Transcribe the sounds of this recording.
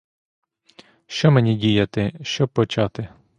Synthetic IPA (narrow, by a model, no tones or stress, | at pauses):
ʃt͡ʃɔmenʲidʲijɐt̪ɪʃt͡ʃɔb̚pːɔt͡ʃɑt̪ɪ